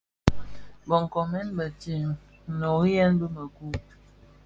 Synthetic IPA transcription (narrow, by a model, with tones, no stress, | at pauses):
bɔ˨ŋ˨kɔ˨mɛ˦nbə˨ti˨ŋ˨ | nɔ˨ɣjɛ˦nbə˦mə˨ku˦